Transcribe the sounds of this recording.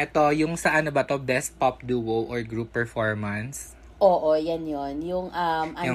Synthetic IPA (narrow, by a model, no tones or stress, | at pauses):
ʔɛt̪o̞jʊŋsɐʔɐnobɐt̪od̪ɛspɔp̚d̪uːwowʔɔɹɡɹupːɛɹfoɹmɐns | ʔoːʔojɐnjonjʊŋʔɐmʔɐjʊ